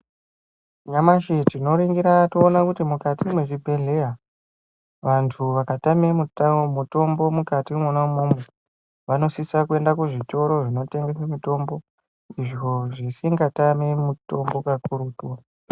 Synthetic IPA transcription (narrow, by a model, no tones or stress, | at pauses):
ɲamaʃetino̞ɾiŋɡiɾatoːnakutimukatimwe̞ʐibʱe̞ɮe̞ja | ʋantʰuʋakatame̞mumuto̞mbo̞mukatimwonaumume | ʋano̞sisakue̞ndakuʐito̞ɾo̞ʐino̞te̞ŋɡe̞samito̞mbo̞ | iʐo̞ʐisiŋɡatamemuto̞mbo̞kakuɾuːtuwa